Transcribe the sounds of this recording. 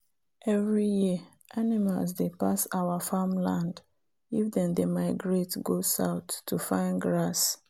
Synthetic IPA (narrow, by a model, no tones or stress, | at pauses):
ʔɛvɹijiə | ʔanima̰lsdepasaʊafamlãnd | ifdɛ̃ndemaɪɡɹetɡosaʊtʰːufãɪ̃nɡɹas